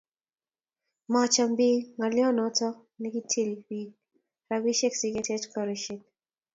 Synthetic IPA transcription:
mat͡ʃambimaljɔnɔtɔ | nikitʰilwi | ɾabiʃɛksiɡɛtɛdkʰɔɾiʃik̚

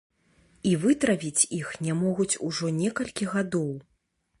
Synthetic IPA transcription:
ivɨt̪ɾɐpʲit͡sʲixnʲɛmɔɣut͡sʲuʐɔnʲɛkɐlʲkʲiɣad̪ɔw

